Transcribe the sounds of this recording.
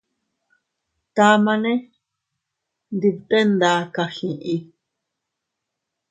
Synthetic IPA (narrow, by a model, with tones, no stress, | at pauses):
t̪a˧mã˧nẽ˦ | nd̪i˧t̪e˦nd̪a˧˦ka˧hĩ˨ʔi˧